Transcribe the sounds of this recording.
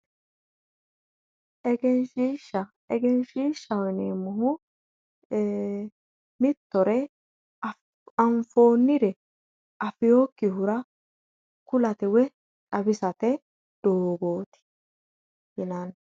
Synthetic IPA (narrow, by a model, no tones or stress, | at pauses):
ʔɛɡɛnʃiːʃɐ | ɛɡɛnʃiːʃːɐwɔjneːmːʊhʊ | mɪt̪ːɔɾɛ | ɐɱfo̞ːnːɪɾɛ | ʔɐfɪjoːkːɪhʊɾɐ | kʊlɐt̪ɛwɛ | ᶑɐbɪsɐt̪ɛ | d̪̥oːɡo̞ːt̪ɪ̥ | jɪnɐn